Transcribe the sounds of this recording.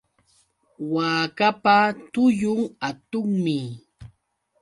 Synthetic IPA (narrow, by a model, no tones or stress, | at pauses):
waːkapat̪ʊjʊŋat̪ʊŋmɪ